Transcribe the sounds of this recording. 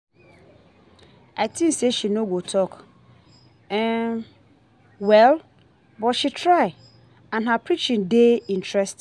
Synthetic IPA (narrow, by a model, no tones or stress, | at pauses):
atʰĩnseʃinõɡotʰɔk | ɛ̃ | wɛl | bɔtʃitʰɾaɪ | ãnɦapʰɾit͡ʃĩndeĩntʰɹɛst